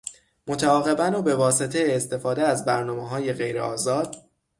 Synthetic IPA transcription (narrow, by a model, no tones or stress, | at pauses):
mo̞t̪ʰæɒːɣe̞bænobe̞vɒːse̞t̪ʰe̞jeːst̪e̞fɒːd̪eæzbæɾnɒːmeɦɒːje̞ɣe̞jɾḛɒːzɒːd̪̥